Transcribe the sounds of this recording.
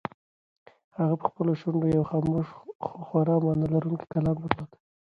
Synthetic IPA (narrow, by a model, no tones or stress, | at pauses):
haɣapə̥xpəloʃʊɳɖojawxamoʂxwaɾɑmɑnalaɾuŋki̥kalɑnbəɾlɑt̪ḁ